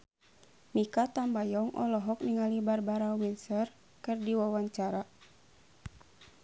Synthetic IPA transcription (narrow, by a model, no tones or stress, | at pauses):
mikat̪ambajɔŋʔɔ̰lɔɦɔk̚niŋalibarbaɾawinsər | kɨrdiwawaɲt͡ʃaɾa